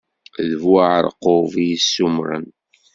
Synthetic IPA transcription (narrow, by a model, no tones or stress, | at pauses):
ðəvwaʕəɾˤqovijisːumɾə̰n